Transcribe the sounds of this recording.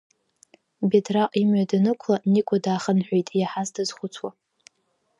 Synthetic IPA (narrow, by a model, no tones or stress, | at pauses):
bedraqʼimɥadanɨkʷʰlanikʷʰʼadaːχənħʷᶣejtʼjaħazdazχʷʊt͡sʷʰwa